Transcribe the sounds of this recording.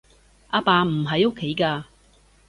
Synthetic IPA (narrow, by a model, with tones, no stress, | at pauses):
ʔaː˧paː˧m̩˨˩ɦɐ˨jo˥kʰːe˨˥jkaː˧